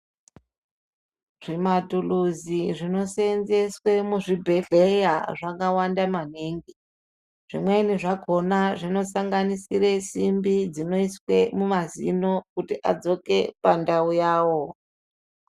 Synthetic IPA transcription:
ʐ̥imatuluziʐino̞senzeswe̞muʐibʱe̞ɮe̞jaʐakawandamaneːŋɡi | ʐ̥ḭmwe̞niʐaɡʱo̞naʐino̞saŋɡanisiresimbid͡zino̞iswe̞mumazḭno̞kutiʔa̰d͡zo̞ke̞pandaujaːwo̞

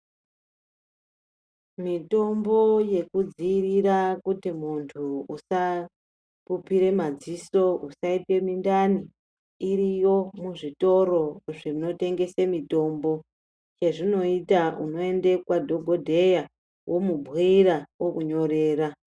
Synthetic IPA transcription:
mito̞mbo̞je̞kud͡ziːrirakutimuntʰuusa | pupiɾe̞mad͡ziso̞usaite̞mindaniː | rijo̞muʐito̞ɾo̞ʐino̞te̞ŋɡe̞semito̞mbo̞ | t͡ʃe̞ʐino̞itauno̞e̞nde̞kwadʱo̞ɡʱodʱe̞ja | wʔo̞mubʱɣirawokuɲo̞re̞ːra

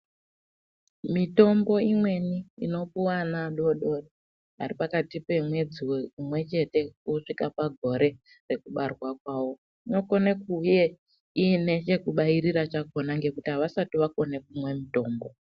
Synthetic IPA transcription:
mito̞mbo̞imwe̞niḭno̞puwanaɗo̞ɗoɗo | a̰ripakatipe̞mwe̞d͡ziweumwe̞t͡ʃe̞te̞uʂikapaɡʱo̞ɾe̞ | re̞kuɓarwak̚waːwo̞ | ino̞ko̞nekuje̞ | ine̞t͡ʃe̞kuɓaiɾiɾat͡ʃako̞naŋɡe̞kutiaʋasatiʋako̞ne̞k̚umwe̞mito̞ːmbo̞

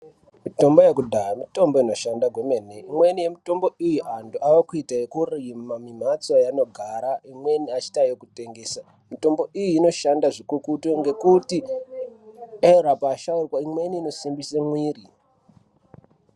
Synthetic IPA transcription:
mito̞mbojekudʱamito̞mboino̞ʃandaɡʱomeneimwe̞nije̞mito̞mbo̞ijuʔanduʔawokuitaekurimamim̤at͡sajano̞ɡʱaɾaimwe̞niat͡ʃi̥tajokute̞ŋɡe̞ːsa | mito̞mbo̞ʔijiːno̞ʃandaʐikukutoŋɡe̞kuti | eɾapaːʃauwaimwe̞niːno̞simbisemwiːri

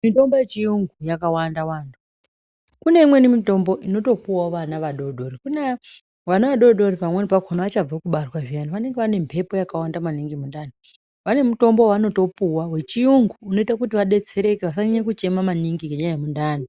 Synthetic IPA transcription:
mito̞mbojet͡ʃijuŋɡujakawandawaːntu | kune̞imwenimito̞mbo̞ʔino̞to̞puwaʋanaʋaɗo̞ɗo̞rikune | ʋanaʋaɗo̞ɗo̞ripamwenipakʰonaʋat͡ʃab͡vakuɓarwaʐianoʋane̞ŋɡeʋane̞mpʰe̞po̞jakawandamaniŋɡimundano | ʋane̞muto̞mbo̞wano̞to̞puwawe̞t͡ʃijuŋɡuːno̞itakutiʋaɗe̞t͡se̞ɾe̞keʋasaiɲekut͡ʃe̞mamaniŋɡikɡeɲajemundano

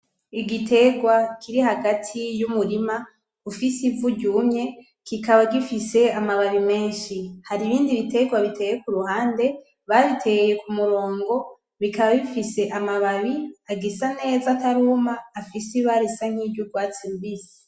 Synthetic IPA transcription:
iɡitʰe̞ɡwakʰiɾiɦaɡatʰijumuɾima | ufisivuɟuːmɲe̞ | kikaβaɡifise̞amaβaβime̞ːnʃihaɾiβiːndiβite̞ɡwaβitʰe̞jekuɾuhaːnde̞ | βaβitʰe̞je̞kumuɾo̞ːŋɡo̞ | βikaβaβifise̞ʔamaβaβiaɡisane̞ːzataɾumaːfisiβaɾisaŋ̥ibɟuɡwaːt͡simbiːsi̥

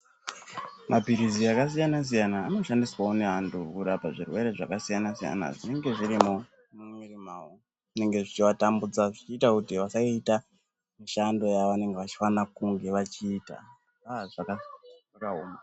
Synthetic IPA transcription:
mabʱiɾiziakas̬ijanas̬ijanaːno̞ʃandiswaone̞ɦantʰukuɾapaʐirwe̞ɾe̞ʐa̰kasijanasija̰na̰ʐine̞ŋɡe̞ʐiɾimo | mumirimaːo | ʐine̞ŋɡe̞ʐit͡ʃiʋatambud͡zaʐit͡ʃiːtakutiʋasaiːta | miʃando̞jaʋane̞ŋɡe̞ʋat͡ʃi̥fanakuŋɡe̞ʋat͡ʃiːta̰ | aʐakaakaɦoːma

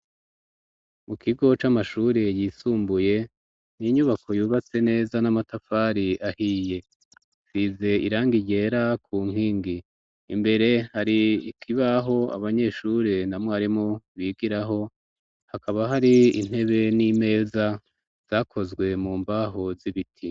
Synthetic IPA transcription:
mukʰiɡo̞t͡ʃamaʃuːɾe̞jiːsuːmbuje̞ | niɲuβako̞juːβat͡se̞ne̞ːzanamatafaːɾiʔahiːje̞ | size̞iɾaːŋɡiɟe̞ːɾakʰuːŋ̥iːŋɡiː | mbe̞ɾe̞haɾiikʰiβaɦo̞a̰βaɲe̞ʃuːɾe̞namŋwoaɾimŋoβiɡiɾaɦo̞ | hakaβaɦaɾiin̥he̞βe̞nime̞ːza | z̥aːkʰo̞zɡwe̞muːmbaɦoziβitʰi

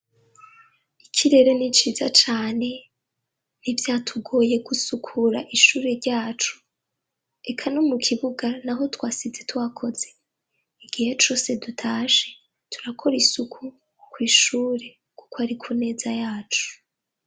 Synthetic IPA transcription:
ikʰiɾe̞ɾe̞nit͡ʃiːzat͡ʃaːne̞ | nivjaːtʰuɡo̞ːje̞ɡusukʰuɾaʔiʃuːɾe̞ɾɟaːt͡ʃu̥ | e̞kʰano̞mukʰiβuɡanaɦo̞twaːsizetuwakʰo̞ze̞ | iɡ̥ihet͡ʃo̞ːse̞dutʰaːʃe̞ | tʰu̥ɾakʰo̞ɾisukʰu | kwiːʃuːɾe̞ | ku̥koaɾikʰune̞ːzajaːt͡ʃu̥

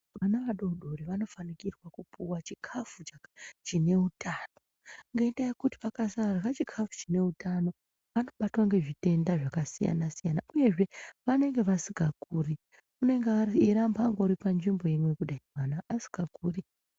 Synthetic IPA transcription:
ʋanaʋaɗo̞uɗo̞ɾiʋano̞fanikirwakupuwat͡ʃikʰafut͡ʃt͡ʃine̞utʰaːno̞ | ŋɡeendajekuti̥ʋakasarɣat͡ʃikʰafu̥t͡ʃine̞utano̞ | ʋano̞ɓatwaŋɡe̞ʐite̞ndaʐakasija̰nasijanaʔuje̞ʐe̞ʋane̞ŋɡe̞ʋasiɡʱakuːri | une̞ŋɡeaiɾambaŋɡo̞ɾipanʐimbo̞jimwe̞kuɗaianaːsi̥ɡ̥akuːri

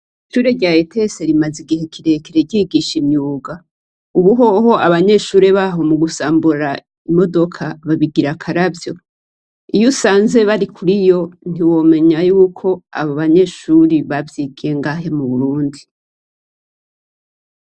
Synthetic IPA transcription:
iʃuːɾe̞ɾɟaetʰe̞se̞ɾimaziɡihe̞kʰiɾe̞keɾeɟiːɡiʃimɲuːɡa | uβuɦo̞ɦo̞ʔaβaɲe̞ːʃuːɾe̞βaɦo̞muɡusaːmbuɾa | imo̞do̞kʰaβaβiɡiɾakʰaɾavjo̞ | ijusaːnze̞βaɾikʰuɾijo̞n̥iwo̞ːme̞ɲajuːkʰo̞a̰βoβaɲe̞ːʃuɾiβavjiːɡe̞ŋɡaːɦe̞muβuɾuːndi

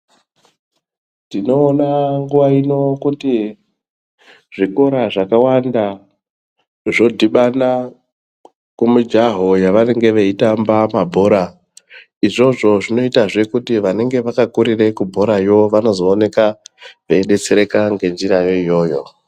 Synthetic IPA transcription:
tino̞ːnaŋɡuʋaino̞kuti | ʐiko̞ɾaʐakawanda | ʐo̞dʱiɓana | kumud͡ʒaɦo̞jaʋane̞ŋɡe̞ʋeitambamabʱo̞ɾa | iʐo̞ʐo̞ʐino̞itaʐe̞kutiʋane̞ŋɡe̞ʋakakuɾire̞kubʱo̞ɾajo̞ʋano̞zo̞ːne̞kaʋeeɗe̞t͡seɾe̞kaŋɡe̞nd͡ʒiɾajo̞ijo̞ːjo̞̰

